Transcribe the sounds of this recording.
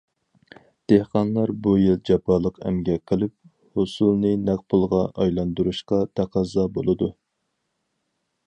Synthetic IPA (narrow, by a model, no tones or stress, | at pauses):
d̪̥ehqɑnlˠɑɾbujilˠd͡ʒɛpːɑlˠəqæ̰mɡʲɛqʰəlˠɪp̚ | hʊsulˠnɨnɛq̚pʰulˠʁɑʔɑjlˠɑnd̪uɾuʃqɑt̪ʰæqʰɑzɑbolˠɨd̪u